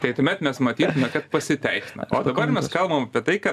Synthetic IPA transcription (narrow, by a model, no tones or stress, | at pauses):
t̪ɐɪt̪ɐmʲɛt̪mʲɛsmɐt̪ʲiːt̪ʊmʲɛkɐt̪̚pɐsʲɪt̪ʲɛɪsʲɪnɐ̰ʔoːd̪ɐbɐrmʲɛskɐlˠbɐmɐpʲiɛt̪ɐɪkɐt